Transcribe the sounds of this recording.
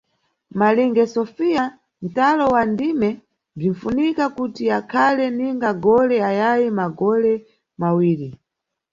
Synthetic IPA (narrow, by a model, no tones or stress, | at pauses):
maliŋɡɛsɔfija | n̩talɔwandimɛ | diɱ̩funikakutiakʰalɛniŋɡaɡɔlɛajajimaɡɔlɛ | mawiːɾi